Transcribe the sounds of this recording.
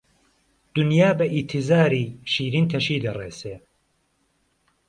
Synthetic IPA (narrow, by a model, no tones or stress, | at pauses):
d̪̥unjaːbɐʔit̪ʰizaːɾiːʃiːɾint̪ʰɐʃiːd̪ɐreːseː